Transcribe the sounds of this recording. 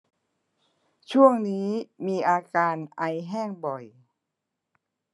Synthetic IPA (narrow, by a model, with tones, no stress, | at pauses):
t͡ɕʰu˥˩əŋniː˦˥miː˧ʔaː˧kaː˧nʔa˧jɦɛː˥˩ŋbɔ˨˩j